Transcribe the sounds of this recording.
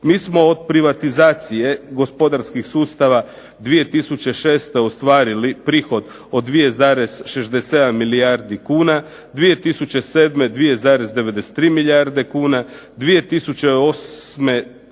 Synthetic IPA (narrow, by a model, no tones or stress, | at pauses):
miːsmo̞ːd̪pɾiʋat̪izaːt̪sije̞ɡo̞spo̞d̪aɾskixsuːst̪aʋa | d̪ʋije̞t̪isut͡ɕe̞ʃe̞ːst̪e̞ost̪ʋaːɾilipɾiːxo̞d̪ | od̪ʋije̞zaɾesʃeʒd̪ese̞d̪amːilijaɾd̪ikuːna | d̪ʋije̞t̪isut͡ɕe̞se̞ːd̪me̞d̪ʋije̞zaːɾe̞zd̪e̞ʋe̞d̪ese̥t̪ːɾiːmiliaɾd̪e̞kuːna | d̪ʋije̞t̪isut͡ɕeosme̞